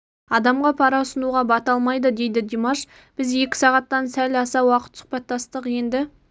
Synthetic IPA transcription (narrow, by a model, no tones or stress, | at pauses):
ɑd̪ɑmʁɑpʰɑɾɑʊsənuʁɑbɑt̪ɑlˠmɑjd̪əd̪e̞jd̪ɪd̪imaʃ | b̥ɪze̞kʲɪ̥sɑʁɑt̪ːɑnsælɑsɑwɑqə̥t̪sʊ̥qpɑt̪ːɑst̪əqje̞nd̪ɪ